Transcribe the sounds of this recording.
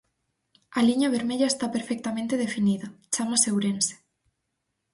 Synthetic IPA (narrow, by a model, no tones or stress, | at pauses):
aliɲaβ̞eɾmeʎɐest̪apeɾfek̚t̪amẽnt̪eð̞efiniðɐt͡ʃamasewɾense̥